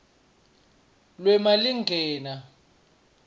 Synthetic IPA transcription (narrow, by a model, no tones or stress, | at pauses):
lwɛmaliŋɡʱɛːna